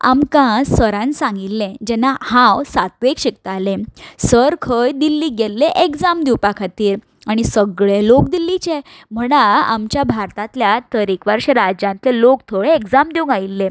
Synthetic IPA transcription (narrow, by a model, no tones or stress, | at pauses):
a̰mkãsəɾãnsãŋɡilːẽd͡ʑɛnahãwsat̪ʋekɕek̚t̪alẽsəɾkʰəjd̪ilːiɡelːeʔekd͡zamd̪uwpakʰat̪iːɾ | aɽ̃isəɡɭelok̚d̪ilːit͡ɕe | m̤əɽ̃aa̰mt͡ɕjabʱaɾt̪ãt̪ljat̪əɾikʋəɾɕeɾad͡ʑãnt̪lelokt̪ʰoɭẽekd͡zamd̪iũŋɡailːẽ